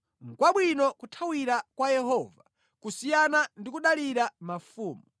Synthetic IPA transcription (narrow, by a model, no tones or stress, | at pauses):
ŋ̩kwaɓwinɔkutʰawiɾakwajɛɦɔva | kusijanandikuɗaliɾamafuːmu